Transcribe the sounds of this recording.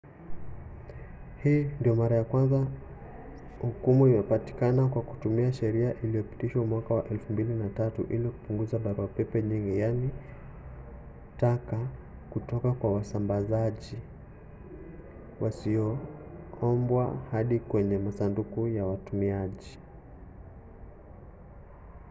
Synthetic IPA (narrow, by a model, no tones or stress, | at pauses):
hiːndiɔmaɾajakwanza | hukumuimɛpati̥kanakwaku̥tumiaʃɛɾiaʔilijɔpi̥tiʃwamwakawaʔɛlfumbilinatatṵʔilikupuŋɡuzaɓaɾuapɛpɛɲiŋɡijani | taka | kutɔkakwawasambazaʄi | wʔasiɔ | ɔmbwa̰haɗikwɛɲɛmasandukujawatumiaʄi